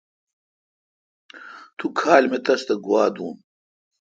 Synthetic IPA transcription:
t̪ʰukʰaːlmet̪ɐst̪ɐɡwaːd̪uːm

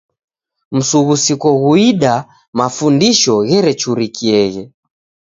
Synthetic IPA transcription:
m̩suɣusikɔɣuiɗa | mafundiʃɔɣɛɾɛt͡ʃuɾikiɛɣɛ

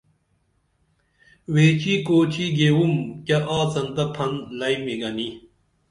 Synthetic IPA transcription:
weːt͡ɕikoːt͡ɕʰiɡeːwumkɐʔaːt͡sɐnt̪ɐpʰɐnlɐjmiɡɐni

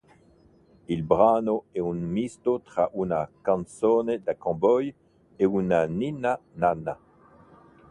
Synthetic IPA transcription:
ilbʁanoɛunmist̪ot̪ʁaʔunakãnsoned̪akɑ̃bɔj | eunaninanana

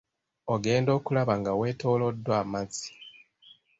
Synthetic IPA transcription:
oɡe̞ːndo̞ːkulaβaŋɡawe̞ːto̞ːlodːwaːmazi̥

